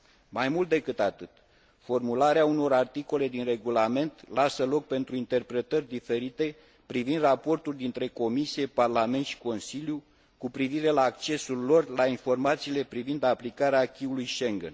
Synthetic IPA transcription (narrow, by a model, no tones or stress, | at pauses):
majmult̪̚d̪e̞kɨt̪at̪ɨt̪ | fo̞rmulaɾeauno̞ɾart̪iko̞le̞d̪inre̞ɡulame̞nt̪lasəlo̞k̚pe̞nt̪ɾuint̪e̞rpɾe̞t̪ərʲd̪ife̞ɾit̪e̞ | pɾivind̪rapo̞rt̪uld̪int̪ɾe̞ko̞misije̞parlame̞nt̪ʃi̥ko̞nsilʲju | kupɾiviɾe̞laːkt͡ʃe̞sulːo̞rlainfo̞rmat̪siːle̞pɾivind̪aplikaɾeakʲiulujʃe̞ŋɡḛn